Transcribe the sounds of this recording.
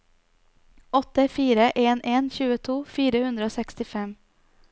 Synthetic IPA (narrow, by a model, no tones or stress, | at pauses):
ɔt̪ːəfiːɾəʔeːnʔeːnçʉːət̪ʰuːfiːɾəhʉnd̪ɾəoːsɛkst̪ɪfɛm